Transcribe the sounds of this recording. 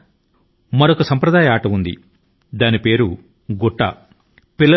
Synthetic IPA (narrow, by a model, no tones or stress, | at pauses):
mɐɾokɐsɐmpɾɐd̪aːjɐaːʈɐund̪ḭ | d̪aːnipe̞ːɾu | ɡɔʈːɐ̰ | pilːɐ